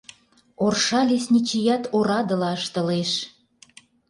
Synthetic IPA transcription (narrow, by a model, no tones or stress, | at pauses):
orʃɑlʲesʲnʲit͡ɕijɑt̪oɾɑd̪ə̆lɑəʃt̪ə̆leʃ